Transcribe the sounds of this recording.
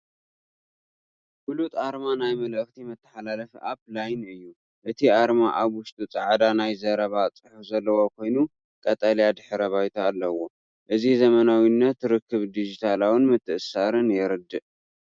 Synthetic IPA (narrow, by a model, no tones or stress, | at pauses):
bulut̪ʼaɾmanajmɐlʔɨxt̪ʰimɨt̪ʰːɐ̥ħalalɐfʔaβlajnɨjːu | ʔɨt̪ʰiʔaɾmaʔaβwʊʃt̪ʼut͡sʼɐʕd̪anajzɐɾɐβat͡sʼɨħufzɐlːɐwo̞kʰo̞jnu | kʼɐt̪ʼɐljad̪ɨħɾɐβajt̪ʰaːlːɐwo̞ | ʔɨzizɐmɐnawinːɐt̪ːɾɨkːɨβd̪id͡ʒit̪ʰalawɨnmɨt̪ʰːɨʔɨsaɾɨnjɛɾɨd̪ːɨʔ